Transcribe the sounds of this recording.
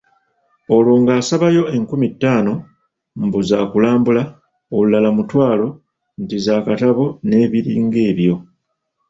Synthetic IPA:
o̞lwoːŋɡaːsaβajo̞e̞ŋkumitːaːno̞ | mbuzaːkulaːmbula | olulalamutwaːlo̞ | ntizaːkataβo̞ne̞ːβiɾḭːŋɡe̞ːβjo̞

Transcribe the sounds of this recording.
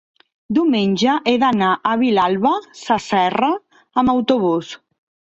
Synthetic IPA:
d̪iumenʲʒəʔeðanaʔəβ̞ilalˠβəsəsɛrəː | məwt̪uβ̞us

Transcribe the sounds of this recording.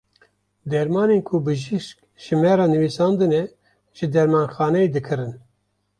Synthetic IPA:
d̪ɛɾmɑːneːnkʰʊbɨʒiʃk̚ | ʒ̥ɨmɛɾɑːnɨviːsɑːnd̪ɨnɛ | ʒ̥ɨd̪ɛɾmɑːnxɑːnɛed̪ɨkʰɨɾɨn

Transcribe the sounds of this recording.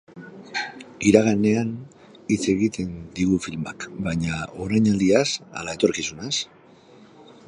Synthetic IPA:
iɾaɣane̞an | it͡se̞ɣit̪e̞nd̪iɣufilma̰kbajɲao̞ɾajɲald̪iasa̰lae̞t̪o̞ɾkisunas

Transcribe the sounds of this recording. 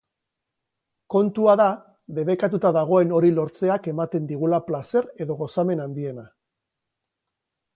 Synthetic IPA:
ko̞nt̪uaða | βe̞βe̞kat̪ut̪aðaɣ̞o̞e̞no̞ɾilo̞ɾt͡se̞ake̞mat̪e̞nd̪iɣ̞ulaplase̞ɾe̞ðo̞ɣo̞same̞nand̪ie̞na

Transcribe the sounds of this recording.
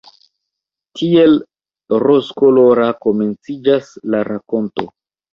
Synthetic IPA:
tʰie̞l | ɾoskoloɾako̞me̞nt͡sid͡ʒaslaɾako̞nto̞̰

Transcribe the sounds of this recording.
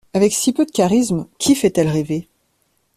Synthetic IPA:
avɛksipød̪əkaʁismkʲʰifɛt̪ɛlʁeve

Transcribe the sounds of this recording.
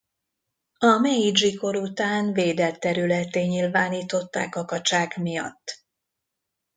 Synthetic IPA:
ɒmɛid͡ʒiko̞ɾut̪aːnveːd̪ɛlt̪ːɛɾylɛt̪eːɲilvaːniːt̪o̞t̪ːa̰ːkɒkɒt͡ʃaːɡmijɒ̰t̪ː

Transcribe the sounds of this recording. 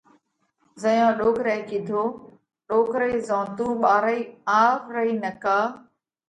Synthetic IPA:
zəjãːɗoːkɾɛːkid̪ʱoː | ɗoːkɾəiːzãːt̪uːɓaːɾəiːaːɾɾəiːnəkaː

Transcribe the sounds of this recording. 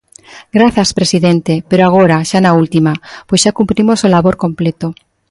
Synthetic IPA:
ɡɾaθjaspɾe̞siðent̪epeɾoaɣ̞oɾaʃanault̪imapoz̥ʃakumpɾimosolaβo̞ɾko̞mplet̪o

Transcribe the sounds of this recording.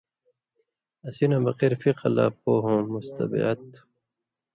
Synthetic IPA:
ɐsinãbɐqiɾfiqɐla̰ːpoːɦõmust̪ɐ̰bḭɐt̪

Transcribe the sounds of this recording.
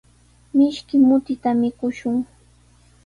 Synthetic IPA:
mɪʃkɪmʊt̪ɪt̪amɪkʊʃʊŋ

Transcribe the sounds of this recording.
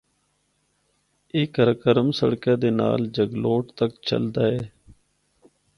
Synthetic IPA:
ɪːkəɾkəɾəmsə̰ɽkãːd̪eːna̰ːld͡ʒəɡloːʈt̪əkt͡ʃʰə̰ld̪aːɦeː

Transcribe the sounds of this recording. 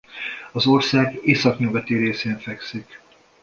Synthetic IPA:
ɒzo̞rsaːɡeːsɒkɲøvɛt̪iɾeːseːɱfɛksik

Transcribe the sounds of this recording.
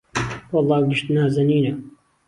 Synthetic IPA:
wɑlˠˤːɑːɡɪʃt̪naːzɐniːnɐ

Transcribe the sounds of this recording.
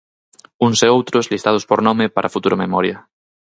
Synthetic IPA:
uŋseowt̪ɾozlist̪að̞ospoɾnɔmepa̰ɾafut̪uɾamemɔɾjɐ

